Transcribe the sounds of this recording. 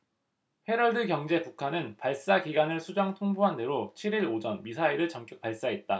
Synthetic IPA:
he̞ɾʌɭdɯkjʌŋd͡ʑe̞pukʰanɯnpaɭs͈akiɡanɯɭsʰud͡ʑaŋtʰoŋbuɦande̞ɾot͡ɕʰiɾiɾod͡ʑʌnmisʰaiɾɯɭt͡ɕʌŋkjʌk̚paɭs͈aɦet̚t͈a

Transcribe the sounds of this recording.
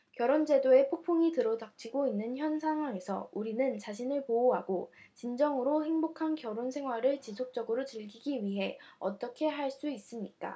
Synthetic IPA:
kjʌɾond͡ʑe̞doe̞pʰok̚pʰoŋitɯɾodak̚t͡ɕʰiɡoinːɯnçjʌnsʰaŋɦwaŋe̞sʰʌ̰uɾinɯnt͡ɕaɕʰinɯɭpooɦaɡot͡ɕind͡ʑʌŋɯɾohe̞ŋbokʰankjʌɾonsʰe̞ŋɦwaɾɯɭt͡ɕisʰok̚t͡ɕ͈ʌɡɯɾot͡ɕɯɭɡiɡiɥiɦe̞ʌ̰t͈ʌkʰe̞ɦaɭs͈uis͈ɯmɲik͈a̰

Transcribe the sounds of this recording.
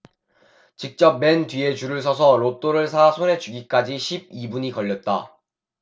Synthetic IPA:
t͡ɕik̚t͡ɕ͈ʌp̚me̞ntɥie̞t͡ɕuɾɯɭs̬ʰʌs̬ʰʌɾop̚t͈oɾɯɭs̬ʰasʰone̞d͡ʑuɡik͈ad͡ʑiɕʰib̚ibuɲikʌʎːʌt̚t͈a̰

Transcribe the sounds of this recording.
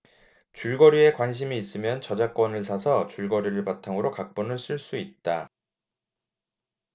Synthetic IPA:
t͡ɕuɭɡʌɾie̞kwanɕ̬ʰimiːs͈ɯmjʌnt͡ɕʌd͡ʑak͈wʌnɯɭs̬ʰasʰʌt͡ɕuɭɡʌɾiɾɯɭpatʰaŋɯɾokak̚p͈ʌnɯɭs͈ʰɯɭs͈uit̚t͈a

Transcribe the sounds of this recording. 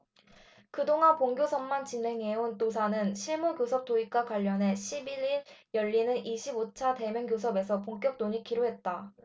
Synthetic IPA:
kɯdoŋanpoŋɡjosʰʌmːant͡ɕine̞ŋɦe̞untosʰanɯnɕʰiɭmukjosʰʌp̚t͈oik̚k͈wakwaʎːʌnɦe̞ɕʰibiɾiɭjʌʎːinɯnʔiɕʰibot͡ɕʰate̞mjʌŋɡjosʰʌbe̞sʰʌpoŋk͈jʌk̚noɲikiɾoɦe̞t̚t͈a

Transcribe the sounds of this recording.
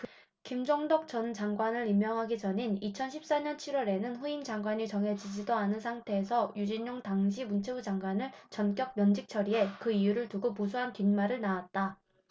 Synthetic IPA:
kimd͡ʑʌŋdʌk̚t͡ɕ͈ʌnt͡ɕaŋɡwanɯɾimːjʌŋɦaɡid͡ʑʌɲinit͡ɕʰʌnɕʰi̥p̚s͈aɲʌnt͡ɕʰiɾwʌɾe̞nɯnɸuind͡ʑaŋɡwaɲit͡ɕʌŋɦe̞d͡ʑid͡ʑidoanɯnsʰaŋtʰe̞ːsʰʌjud͡ʑiɲːoŋtaŋɕʰimunt͡ɕʰebud͡ʑaŋɡwanɯɭt͡ɕʌnk͈jʌk̚mjʌnd͡ʑik̚t͡ɕʰʌɾie̞kɯijuɾɯɭtuɡoposʰuɦankinmaɾɯɭnaat̚t͈a

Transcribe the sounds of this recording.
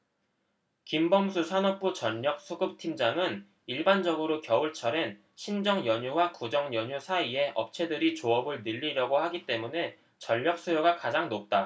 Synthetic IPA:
kimbʌmsʰusʰanʌk̚p͈ut͡ɕʌʎːʌk̚s͈ʰuɡɯp̚tʰimd͡ʑaŋɯn | iɭband͡ʑʌɡɯɾokjʌuɭt͡ɕʰʌɾe̞n | ɕʰind͡ʑʌŋjʌɲuwakud͡ʑʌŋjʌɲusʰaie̞ʔʌp̚t͡ɕʰe̞dɯɾit͡ɕoʌbɯɭnɯʎːiɾjʌɡohaɡit͈e̞mune̞ | t͡ɕʌʎːʌk̚s͈ujoɡakad͡ʑaŋnop̚t͈a

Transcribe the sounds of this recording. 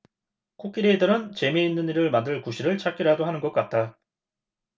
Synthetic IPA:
k͈ʰok͈iɾeidɯɾɯnt͡ɕe̞meinːɯniɾɯɭmandɯɭkuɕʰiɾɯɭt͡ɕ͈ak͈iɾadoɦanɯnɡʌk̚k͈at̚t͈a

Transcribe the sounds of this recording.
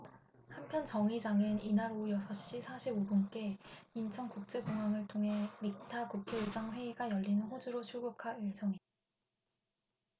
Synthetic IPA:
hampʰjʌnt͡ɕʌŋid͡ʑaŋɯninaɾojʌsʰʌɕ͈isʰaɕʰibobunk͈e̞int͡ɕʰʌŋkuk̚t͡ɕ͈e̞ɡoŋaŋɯɭtʰoŋɦe̞mik̚tʰakukʰeisaŋɸwe̞iɡajʌʎːinɯnɦod͡ʑuɾot͡ɕʰuɭɡukʰaisʰʌŋidaa

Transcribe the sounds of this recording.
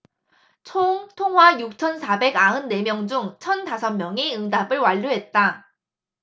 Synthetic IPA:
t͡ɕʰoŋtʰoŋɦwajuk̚t͡ɕʰʌnsʰabe̞ɡaɯnːe̞mjʌŋd͡ʑuŋt͡ɕʰʌntasʰʌmmjʌŋiɯŋdabɯɭwaʎːuɦe̞t̚t͈a

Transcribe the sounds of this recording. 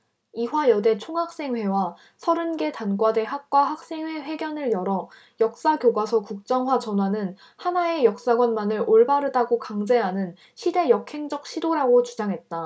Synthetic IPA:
iɸwajʌde̞t͡ɕʰoŋɦak̚s͈e̞ŋɦe̞wa | sʰʌɾɯnɡe̞tanɡwade̞ɦak̚k͈waɦak̚s͈e̞ŋwe̞ɸwe̞ɡjʌnɯɭjʌɾʌ | jʌk̚s͈aɡjoɡwasʰʌkuk̚t͡ɕ͈ʌŋɦwat͡ɕʌnɦwanɯn | hanae̞jʌk̚s͈aɡwʌnmanɯɾoɭbaɾɯdaɡokaŋd͡ʑe̞ɦanɯn | ɕʰide̞jʌkʰe̞ŋd͡ʑʌk̚ɕ͈ʰidoɾaɡot͡ɕud͡ʑaŋɦe̞t̚t͈a

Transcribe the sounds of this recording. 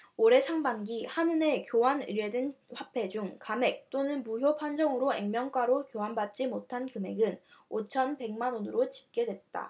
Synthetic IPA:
oɾe̞sʰaŋbanɡihanɯne̞kjowanɯ̰ɾjedɯnɸwapʰe̞d͡ʑuŋkame̞k̚t͈onɯnmuɦjopʰand͡ʑʌŋɯɾoe̞ŋmjʌŋk͈waɾokjowanbat̚t͡ɕ͈imotʰankɯme̞̰ɡɯnot͡ɕʰʌnpe̞ŋmanonɯɾot͡ɕi̥p̚k͈e̞dwe̞t̚t͈a̰

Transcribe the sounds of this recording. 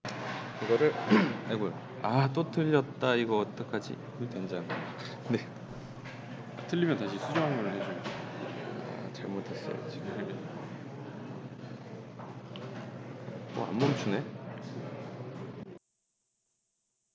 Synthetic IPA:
kɯɡʌɾɯɭaɭɡojo | at͈otʰɯʎːʌt̚t͈aiɡʌːt͈ʌkʰad͡ʑḭ | tand͡ʑaŋ | ne̞ | atʰɯʎːimjʌntaɕ̬ʰisʰud͡ʑʌɦanɡʌɾɯhed͡ʑuaa̰t͡ɕaɭmotʰe̞s͈ʌjo̰t͡ɕʰi | bʌ̰a̰mbʌmt͡ɕʰune̞

